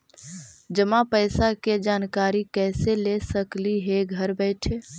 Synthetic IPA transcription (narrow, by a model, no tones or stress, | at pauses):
d͡ʒəmãpəɪsaked͡ʒaːnkaɾikɛːselesəkliɦeɡʱəɾbɛɪʈʰe